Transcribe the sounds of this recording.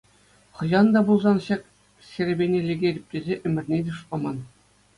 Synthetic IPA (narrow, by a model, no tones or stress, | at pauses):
χɤ̆ʑɑnd̪ɑbulˠzɑnɕɑkʲ | sʲeɾʲĕbʲenʲelʲeɡʲedʲĭp̚ʲtʲezʲeʔɘ̆mʲɘ̆rʲnʲedʲeʂɤ̆mɑn